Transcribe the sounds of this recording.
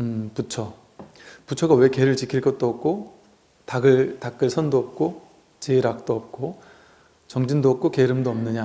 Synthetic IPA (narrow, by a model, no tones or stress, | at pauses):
ɯput͡ɕʰʌ | put͡ɕʰʌɡawe̞ke̞ɾɯɭt͡ɕikʰiɭk͈ʌt̚t͈oʌp̚k͈o | taɡɯɭtak̚k͈ɯɭsʰʌndoʌp̚k͈o | t͡ɕeɾak̚t͈oʌp̚k͈o | t͡ɕʌŋd͡ʑindoʌp̚k͈ʰokeɾɯmdoʌmnɯɲa